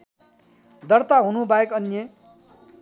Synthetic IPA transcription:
d̪ʌrt̪aɦunubaekʌnje

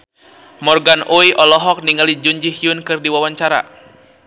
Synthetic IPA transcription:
mɔrɡanʔuiʔɔlɔɦɔk̚niŋalid͡ʒuɲd͡ʒihiunkɨrdiwawaɲt͡ʃaɾa̰

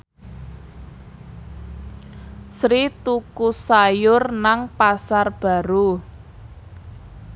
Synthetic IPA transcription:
sɾit̪ukusajʊrnaŋpasarb̥a̤ɾu

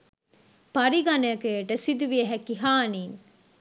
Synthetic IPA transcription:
pɐɾiɡɐnɐɐkeeʈəsid̪uʋieɦækiɦaːniːŋ

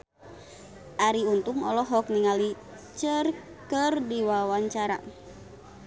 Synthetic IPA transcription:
ʔaɾiunt̪uŋɔlɔɦɔk̚niŋali | t͡ʃər | kərdiwawaɲt͡ʃaɾa̰

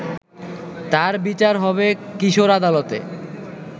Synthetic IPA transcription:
t̪aɾbit͡ɕaɾɦɔβekiʃoɾad̪alot̪ḛ

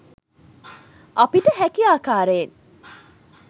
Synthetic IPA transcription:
ʔapiʈəɦækiaːkaːɾeːn

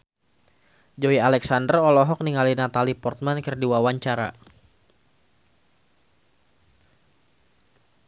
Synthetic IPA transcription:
d͡ʒoialɛksandərɔlɔɦɔk̚niŋalinat̪alipɔrt̪̚mankərdiwawaɲt͡ʃaɾa̰

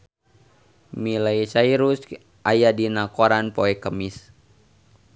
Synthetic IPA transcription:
milaisaiɾus | ʔajadinakoɾanpɔɛkəmis

